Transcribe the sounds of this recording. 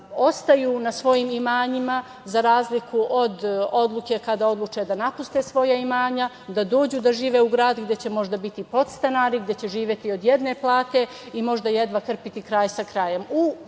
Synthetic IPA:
o̞st̪ajuːnasʋo̞jiːmimaːɲima | zaɾaːzlikʰuʔo̞d̪o̞d̪lˠuke̞kad̪ao̞d̪lˠut͡ʃed̪anapust̪esʋo̞jaimaːɲa | d̪ad̪oːd͡ʑuːd̪aʒiːʋe̞uɡɾaːd̪ɡd̪jet͡ɕe̞mo̞ʒd̪abit̪ipo̞t̪st̪anaːɾiɡd̪je̞t͡ɕe̞ʒiːʋʲje̞t̪io̞d̪je̞d̪ne̞plˠaːt̪e̞ | imo̞ʒd̪aje̞d̪ʋakr̩pit̪ikɾaːjsakɾaje̞mu

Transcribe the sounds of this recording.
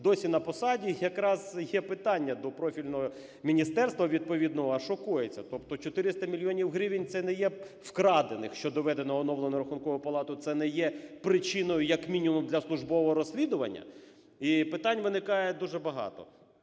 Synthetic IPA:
d̪ɔsʲinɐpɔsɑdʲijɐkɾɑzjɛpɪt̪ɑnʲːɐd̪ɔpɾɔfʲilʲnɔɦɔ | mʲinʲist̪ɛrst̪ʋɐʋʲid̪̚pɔʋʲid̪nɔɦɔɐʃɔkujet͡sʲːɐt̪ɔp̚t̪ɔt͡ʃɔt̪ɪɾɪst̪ɐmʲilʲiɔnʲiwɦɾʲiʋʲɪnʲt̪sɛnɛjɛ | wkɾɑd̪enɪ̰xʃt͡ʃɔd̪ɔʋɛd̪enɔɦɔnɔʋlˠɐnɔɾɐxunkɔʋʊpɐlˠɑt̪ʊt̪sɛnɛjɛpɾɪt͡ʃɪnɔjʊjɐkmʲinʲimumd̪lʲɐslˠʊʒbɔʋɔɦɔɾɔsʲlʲid̪ʊʋɐ̰nʲːɐ̰ | ipɪt̪ɑnʲʋɪnɪkɑjɛd̪uʒɛbɐɦɑ̰t̪ɔ̰

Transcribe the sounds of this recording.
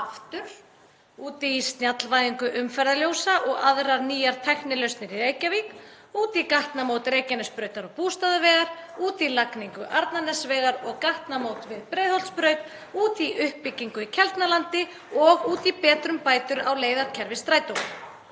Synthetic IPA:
aft̪ʏɾ̥ | uːt̪ɪːst̪njat̪lvajðiŋkʏʔʏmfɛɾðaljowsaʔɔɣaðɾaɾniːjaɾ̥t̪ʰɛxnɪlœɥst̪nɪɾɪeːjcaviːk | uːt̪ikaht̪namoːwt̪ɾeːjcɛnʏspɾœːɥt̪aɾɔɣpuːst̪aðavɛːɣaɾ̥uːt̪ilakniŋkʏʔaɾt̪nanɛsvɛːɣaɾɔɣkaht̪namoːwt̪vɪðpɾeːjðhɔl̥spɾœːɥt̪ | uːt̪iʔʏhpːɪcːiŋkʏicʰɛlt̪nalant̪ɪ | ɔɣuːt̪ipɛːt̪ɾʏmpaːjt̪ʏɾa̰wleːjðaɾ̥cʰɛɾvɪst̪ɾaːjt̪owɣ

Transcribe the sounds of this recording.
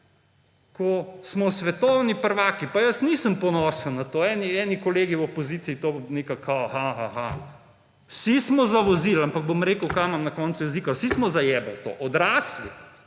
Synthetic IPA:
kɔsmɔsʋɛt̪ɔwnipəɾʋaːkipajəsnisəmpɔnɔːsəlnat̪oɛːniɛnikɔleːɡiwɔpɔziːt̪siit̪oːneːkakʰahaɦaha̰ | wsismɔzaʋɔzilampɐɡ̚bomɾeːkəwkajmamnɐkɔːnsujɛziːkawsismɔzajɛːbəlt̪o̰ːʔɔd̪ɾaːsli

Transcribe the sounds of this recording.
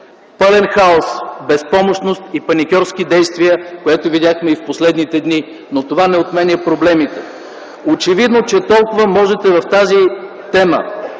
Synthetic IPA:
pɤlɛnxaosbɛspɔmoʃnost̪ipɐnʲikʲɔɾsk̟id̪ɛjst̪viəkojɛt̪ovid̪ʲaxmɛifposlɛd̪nit̪ɛd̪ni | not̪ovanɛot̪mɛnʲɛpɾoblɛmit̪ɛ | ot͡ʃɛvid̪not͡ʃɛt̪ɔlˠkʊvəmɔʒɛt̪ɛvɐft̪azi | t̪ɛmə̰

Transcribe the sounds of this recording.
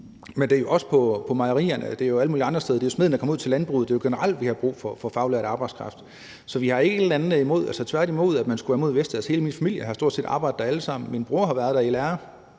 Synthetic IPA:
mend̥e̝ɐjo̝ʔɒ̽sə̥pʰɒ̽pʰɒ̽mɑ̈ɪɐʁḭːɐnəd̥e̝ɐjo̝æləmuːliɑ̈nd̥ɐseðˠde̝josmeð̰ˠn̩ækɒ̽muðˠʰe̝lænb̥ʁuð̩̥ˠe̝jo̝ɡ̥e̝nəʁɑl̰d̥ʋihɑ̈b̥ʁṵːfɒfɒ̽fɑ̈ʊlæɐ̰dɑ̈ːb̥ɑ̈ɪd̥skʰʁɑ̈fd̥ | sɒ̽ʋihɑ̈e̝ɡ̥əe̥lænð̩ˠimo̝ð̞̰ˠælsɒt͡sʰʋæɐɾ̥imo̝ð̞̰ˠæd̥mænsɡ̥uʋæɐmo̝ð̰ˠʋesd̥æð̰ˠhe̝ːləminfæmil̰jəɦɑ̈sd̥o̝ɐdse̝̰ːdɑ̈ːb̥ɑ̈ɪ̰d̥ˠd̥ɑæləsɑ̈m̰n̩minb̥ʁuːɐɦɑ̈ʋæɐðˠd̥æilæɐ

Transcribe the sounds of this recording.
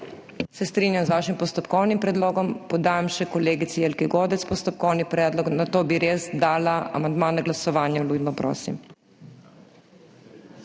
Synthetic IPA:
sɛst̪ɾinjamzʋaːʃimpɔst̪ɔpkɔwnimpɾɛd̪loːɡɔmpɔd̪aːjamʃɛkɔleːɡit̪sielkiɡoːd̪ɛt̪spɔst̪ɔp̚kɔwnipɾɛːd̪lɔknat̪oːbiɾeːzd̪aːlaa̰mand̪maːnaɡlasɔʋaːnjɛluːjd̪nɔpɾo̰ːsḭm

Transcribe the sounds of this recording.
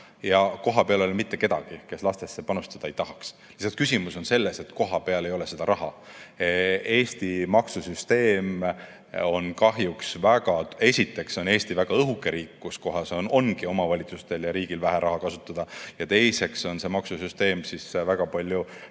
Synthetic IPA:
jɑko̞ɦɑpe̞ɑlelmit̪ːe̞ke̞d̪̥ɑ̰ɡ̥ike̞slɑst̪esːe̞pɑnust̪ɑd̪ɑejt̪ɑɦɑks | lisɑt̪kysimuso̞nse̞lːese̞t̪ko̞ɦɑpe̞ɑle̞jo̞le̞se̞d̪̥ɑɾʔɑɦɑ̰ | e̞ːst̪imɑksusyst̪e̞ːm | o̞nkɑɦjuksvæɡ̥ɑe̞sʲit̪ːˑe̞kso̞ne̞ːsʲt̪ivæɡ̥ɑɤɦukːˑe̞ɾiːkːusko̞ɦɑsono̞nɡio̞mɑvɑlʲit̪sust̪e̞ljɑɾiːɡ̥ilvæɦæɾʔɑɦɑkɑsut̪ːˑɑd̪̥ɑjɑt̪e̞jse̞kso̞nse̞mɑksusyst̪e̞ːmsisvæɡ̥ɑpɑlʲju

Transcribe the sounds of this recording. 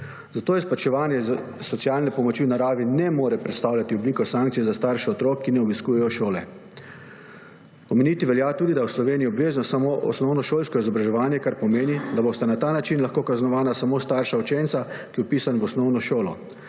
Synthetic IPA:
zat̪oːjɛsplat͡ʃɛʋaːnjɛz | sɔt̪sijalnɛpɔmɔt͡ʃiwnaɾaːʋinɛmoːɾɛpɾɛt̪st̪aːwlʲjat̪iɔbliːkɔsaŋkt̪sijɛzast̪aɾʃɛɔt̪ɾoːkːinɛɔbiskuːjɛjɔʃoːlɛ | ɔmeniːt̪iʋɛljat̪uːd̪id̪awslɔʋeːnijiɔbʋeːznɔsamoʔɔ̰snɔwnɔʃoːlskɔizɔbɾaʒɛʋaːnjɛkaɾpɔmeːnid̪aboːst̪anat̪aːnat͡ʃinlaxkoːkaznɔʋaːnasamoːst̪aɾʃaut͡ʃent̪sakiɔpiːsanʋɔsnɔwnɔʃoːlɔ

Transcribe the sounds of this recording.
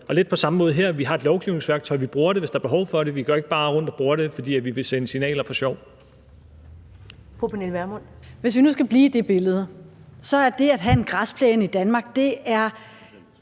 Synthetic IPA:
ʔɒ̽led̥̚pʰɒ̽sɑ̈məmɔ̽ːð̞̩ˠɦeɐ̰ʋiɦɑ̈e̝d̥lɒʊɡ̥iʊne̝ŋsʋæɐɡ̥̚t͡sʰɒ̽ɪ̰ʋib̥ʁuːɐɾe̝ʋe̝sd̥ɑ̈ɐb̥e̝ɦɒʊfɒ̽ɾe̝ʋiɡ̥ɶɐ̰e̝ɡ̥əb̥ɑ̈ːʁɔ̽n̰d̥ɒ̽b̥ʁuːɐɾe̝fɒ̽d̥ḭːæʋiʋe̝sensinɛ̰ːlɐfɒ̽ɕɒʊ̰ | fʁupʰenelʋæɐmɔn | ʋe̝s̬ʋinusɡ̥æb̥liːd̥e̝b̥e̝ləð̞̩ˠə | sɒ̽æɐd̥e̝æd̥ɦæe̝nɡ̥ʁɑspʰlɛːnid̥ænmɑ̈ːɡ̥̚d̥e̝æɐ

